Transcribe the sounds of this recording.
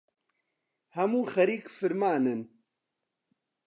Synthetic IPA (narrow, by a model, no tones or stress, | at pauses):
hɐmuːxɐɾiːkfɨɾmaːnɨn